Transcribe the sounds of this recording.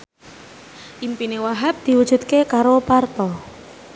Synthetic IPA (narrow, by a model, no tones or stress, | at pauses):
ʔimpinewaɦap̚d̪̥i̤wud̥ʒ̥ṳt̪̚kekaɾopart̪ɔ